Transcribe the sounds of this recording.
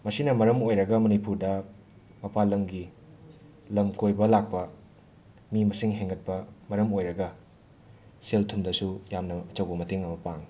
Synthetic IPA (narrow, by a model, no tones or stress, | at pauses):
mɐsinɐmɐɾɐmojɾɐɡɐmɐnipuɾdɐ | mɐpalɐmɡi | lɐmkojbɐlak̚pɐ | mimɐsiŋɦeŋɡɐt̚pɐmɐɾɐmojɾɐɡɐ | seltʰumdɐsujamnɐɐt͡ʃɐwɡɐmɐteŋɐmɐpaŋ